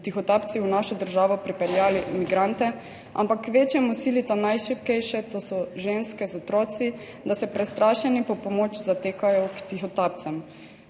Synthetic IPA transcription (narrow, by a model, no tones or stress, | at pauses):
t̪ixɔt̪aːp̪siwnaʃɔd̪əɾʒaːʋɔpɾipɛɾjaːlimiɡɾant̪ɛ | a̰mpakʋeːt͡ʃjɛmɔsiːlit̪anajʃɛp̚kɛjʃɛt̪oːsɔʒeːnskɛzɔt̪ɾɔːt̪si | d̪asɛpɾɛst̪ɾʔaːʃɛnipɔpɔmoːt͡ʃzat̪eːkajɔkt̪ixɔt̪aːp̚t̪sɛm